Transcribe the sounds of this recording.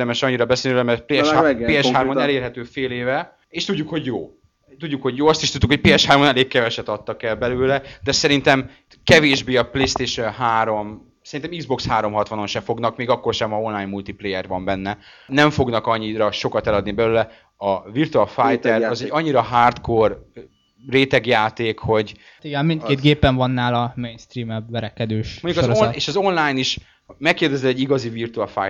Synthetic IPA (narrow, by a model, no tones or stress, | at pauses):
d̪ɛmɛʃɒɲːiɾɒbɛselniølmɛrt̪̚pleːʃaeːɛʃhaːrmonɛleːrɦɛt̪øːfeːleːvɛ | eːʃt̪uɟːukho̞ɟjoː | t̪uɟːukho̞ɟjoːɒst̪iʃt̪ud̪t̪ːukhoc̚peːɛʃhaːrmonɛleːkkɛvɛʃɛt̪ɒt̪ːɒkɛlbɛløːlɛd̪ɛsɛɾint̪ɛm | kɛveːʒbeːɒpleːst̪eːʃɛnɦaːɾo̞m | sɛɾint̪ɛmiɡzbo̞kshaːɾo̞mɦɒt̪ʋɒno̞nʃɛfo̞ɡnɒkmeːɡɒkːo̞rʃɛmɒo̞nlaːjɲmult̪iplejɛrʋɒmbɛnːɛ | nɛɱfo̞ɡnɒkɒɲːiɾɒʃo̞kɒt̪ɛlɒd̪nibɛløːlɛ | ɒvirt̪uɛlfaːjt̪ɛɾɒzɛɟːɒɲːiɾɒɦaːrt̪kor | reːt̪ɛɡjaːt̪eːkho̞ɟ | t̪iɡɛnmint̪keːt̪ɡeːpɛɱvɒnːaːlɒmeːnst̪riːmɛbʋɛɾɛkɛd̪øːʃoɲɟukɒzoeːʃɒzo̞nlaːjniʃ | mɛkːeːrd̪ɛzɛɛɟiɡɒzivirt̪uɒlfa̰j